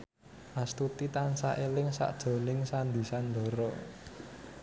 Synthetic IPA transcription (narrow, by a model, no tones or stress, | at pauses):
ʔast̪ut̪it̪ansaʔelɪŋsa̰ʔd̥ʒ̥ɔ̤lɪŋsand̪i̤sand̪ɔ̤ɾɔ